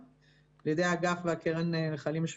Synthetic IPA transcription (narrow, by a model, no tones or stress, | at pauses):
ljedejaɡafveakeʁeneeχalimʃ